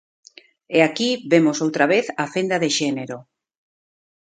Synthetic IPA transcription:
eakiβemosowt̪ɾaβeθafend̪aðeʃeneɾo

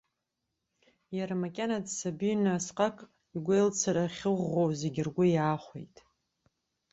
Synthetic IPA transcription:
jaɾamakʲʼanadsabinasqʼakʼ | iɡʷejlt͡sʰaɾaχʲɨʁʷːowze̞ɡʲɪrɡʷʊjaːχʷḛjtʼ

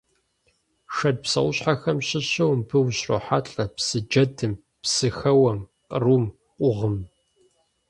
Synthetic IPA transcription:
ʂɐd̚psɐ̰wʊɕħaxɐmɕɪɕɐwmpʰɨwɕro̰ːħaɬʼɐpsɨd͡ʒɐdʰɨm | psɨxɐwɐm | qʼərum | ʔʷʼʊʁəm

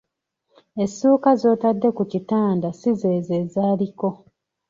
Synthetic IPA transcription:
e̞sːuːkazo̞ːtadːe̞kucitaːndasize̞ːze̞ːzaːliko̞

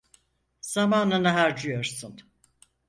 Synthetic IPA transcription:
z̥amaːnanaɦaɾd͡ʒujo̞ɾsun

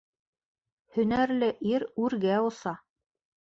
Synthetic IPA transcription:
hɵ̆næɾlɘʔiɾʉɾɡæosɑ

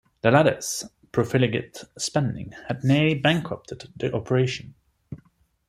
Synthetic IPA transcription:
ðəlaɾə̰s | pʰɹ̥əfɪlɪɡə̰tspɛ̃ndɪ̰̃ŋhədⁿnɪəlibæ̃ŋkʰɹəp̚tʰəd̪ðiʔɒpʰəɹeɪʃə̃n

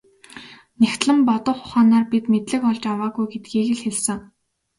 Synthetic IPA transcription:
nʲæxt̪ɮə̆mpɔt̪ɞ̆χʊ̥χaːnaːrpit̪met̪ɮɘ̆kɔɮt͡ɕawaːɣujɡet̪ɡiːɣɘ̆ɮxeɮsɘ̆ŋ

